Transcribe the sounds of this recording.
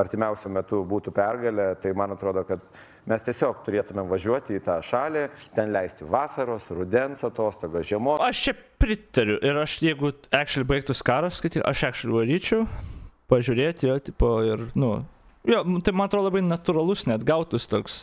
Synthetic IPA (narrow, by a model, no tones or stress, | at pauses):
ɐrʲt̪ʲɪmʲɛʊsʲʊmʲɛt̪ʊbuːt̪ʊpʲɛrɡɐlʲɛt̪ɐɪmɐnɐt̪ɾoːd̪oːkɐt̪ | mʲɛst̪ʲiɛsʲoːkt̪ʊɾʲeːt̪ʊmʲɛmʋɐʒʲuɔt̪ʲiːt̪ɑːʃɑːlʲeːt̪ʲɛnlʲɛɪsʲt̪ʲɪʋɑːsɐɾoːsrʊd̪ʲɛnsɐt̪oːst̪oːɡoʒʲɛmoːɐʃt͡ʃʲɛpʲɾʲɪt̪ɐɾʲʊʔɪɾɐʃjɛɪɡʊæːkʃɛlʲɪbɐɪk̚t̪ʊskɑːɾosskɐɪt̪ʲiːkʔɐʃæːkʃɛlʲʊʋɐlʲiːt͡ʃʲɛʊpɐʒʲʊɾʲeːt̪ʲjoːt̪ʲɪpoːɪrnʊ | joːmt̪ɐɪmɐnɐt̪ɾoːd̪olˠɐbɐɪnɐt̪ʊɾɐlˠʊsnʲɛd̪ɡɐʊt̪ʊst̪oːks